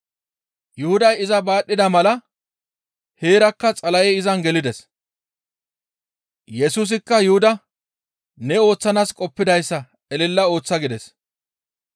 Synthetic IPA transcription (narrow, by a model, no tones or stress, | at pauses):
jʊhʊd̪ɐjɪzɐbaːɗːɪd̪ɐmɐlɐ | he̞ːɾɐkːɐt͡sʼɐlɐjɛɪzɐnɡɛlɪd̪ɛs | jɛsuːs̬ɪkːɐjʊhʊd̪ɐ | nɛo̞ːt͡sːɐnaːskʼɔpːɪd̪ɐjsːɐ | ɛlɪlːɐo̞ːt͡sːɐɡɪd̪ɛs